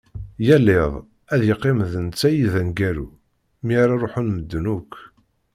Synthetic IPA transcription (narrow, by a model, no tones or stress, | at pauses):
jælːɪðˤ | æðjəqːemðənt͡sːæjiðænɡæɾṵ | miɾaɾˤoħunməd̪ːnukː